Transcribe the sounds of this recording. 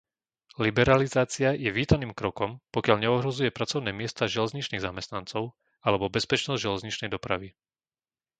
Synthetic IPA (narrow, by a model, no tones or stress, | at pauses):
libɛɾalizaːt͡siajɛʋiːt̪aniːmkɾɔkɔmpɔkɪaʎɲɛɔɦɾɔzujɛpɾat͡sɔʊnɛːmɪɛst̪aʒɛlɛzɲit͡ʃniːɣzamɛst̪nant͡sɔʊ | alɛbɔbɛspɛt͡ʃnɔzɟʒɛlɛzɲit͡ʃnɛjd̪ɔpɾa̰ʋi